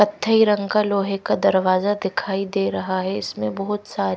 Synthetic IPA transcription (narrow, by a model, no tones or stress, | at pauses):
kɐt̪ʰːəiɾɐ̃ŋɡkaloːɦekad̪ɐɾʋaːzad̪ɪkʰaːid̪eːɾɐɦaɦɛɪsmẽbɐɦʊt̪saːɾ